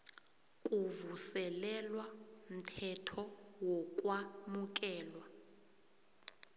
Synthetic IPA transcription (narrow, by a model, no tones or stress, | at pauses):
kʼuvusɛlɛlwam̩tʰɛtʰɔwɔkʼwamuk̬ʼɛːlwa